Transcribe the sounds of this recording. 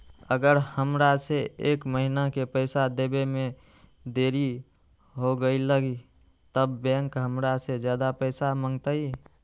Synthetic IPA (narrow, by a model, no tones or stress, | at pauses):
əɡəɾhəmɾaseeːkməɦinakepəɪsad̪ebemẽ | d̪eːɾi | ɦoɡəiləɡi | t̪əbːɛ̃ŋkɦəmɾased͡ʒjaːd̪apəɪsaməŋɡt̪ai